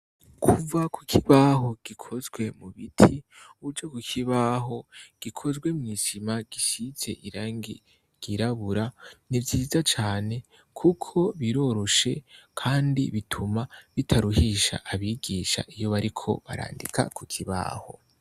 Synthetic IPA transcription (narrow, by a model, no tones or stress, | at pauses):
kʰuvakukʰiβaɦo̞ɡ̥ikʰo̞zɡwe̞muβitʰiuβud͡ʒakukʰiβaɦo̞ɡ̥ikʰo̞zɡwe̞mŋiːsimaɡ̥isit͡se̞̰ʔiɾaːŋɡi | ɡ̥iɾaβuɾanivjiːzat͡ʃaːne̞ | kʰukʰo̞βiɾo̞ɾo̞ʃe̞kʰaːndḭβitʰumaβitʰaɾuɦiʃa̰ʔaβiːɡiːʃa̰ʔijo̞βaɾikʰo̞̰βa̰ɾa̰ːndḭkʰa̰kukʰiβa̰ːho̞̰